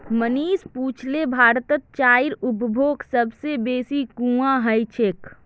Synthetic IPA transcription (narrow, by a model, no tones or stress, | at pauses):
məniːspuːt͡ʃʰlebʱaːɾt̪ət̪̚t͡ʃaːiɾʊpbʱoːksəbsebeːsikũãɦəjt͡ʃʰeːk